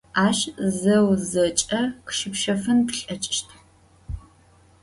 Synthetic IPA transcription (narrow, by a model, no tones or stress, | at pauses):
aːʃzɐwzɐt͡ʃʼɐqʃɪpʃɐfɨntɬʼɐt͡ʃʼʃtʰ